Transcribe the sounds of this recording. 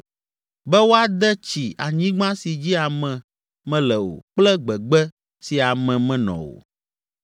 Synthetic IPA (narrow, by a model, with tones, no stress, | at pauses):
bɛ˦wo˦a˨d̪ɛ˦t͡ɕi˨a˨ɲĩ˦ɡ͡bã˦si˨d͡ʑi˦a˨mɛ̃˨ | mɛ̃˦lɛ˨wo̰˨k͡plɛ˦ɡ͡bɛ˨ɡ͡bɛ˦ | si˨a˨mɛ̃˨mɛ̃˦nɔ̰̃˨wo̰˨